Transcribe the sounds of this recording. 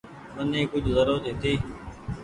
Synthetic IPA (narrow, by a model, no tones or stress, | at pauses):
mənẽːkʊd͡ʒʱzəɾoːt̪eːt̪ʰiː